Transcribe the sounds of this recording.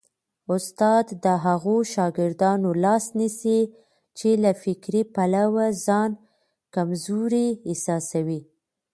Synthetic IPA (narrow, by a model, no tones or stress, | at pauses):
ʊst̪ɑd̪ːəɦaɣoʃɑɡɪɾd̪ɑnolɑsnisi | t͡ʃelafɪkɾipalawazɑn | kamzuɾiːsɑsawi